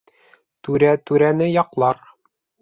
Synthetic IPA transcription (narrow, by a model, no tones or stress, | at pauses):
t̪ʉɾæt̪ʉɾænɘjɑqlˠɑɾ